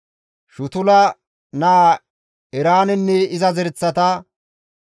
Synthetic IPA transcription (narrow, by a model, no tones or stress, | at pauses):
ʃʊt̪ʊlɐ | na | ɛɾaːnɛnːɛɪzɐzɛɾt͡sːɐt̪ɐ